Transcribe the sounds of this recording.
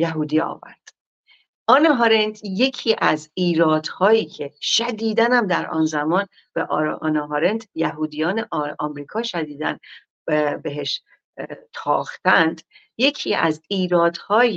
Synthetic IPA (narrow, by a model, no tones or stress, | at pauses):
jæɦuːd̪iːɒ̰ːvæ̰ɾd̪̥ | ʔɒːneɦɒɾend̪je̞cʰiːʔæziːɾɒːd̪̥hɒːjiːcʰe̞ʃæd̪iːd̪ænæmd̪æɾʔɒ̰ːnzæmɒːn | b̥eʔɾɒːnɑɦɒɾend̪jæɦuːd̪ijɒːneʔɒːmɾiːkʰɒːʃæd̪iːd̪æn | be̞ɦeʃ | t̪ʰɒːxt̪ænd̪ | je̞cʰiːʔæ̰ziːɾɒːd̪̥hɒːj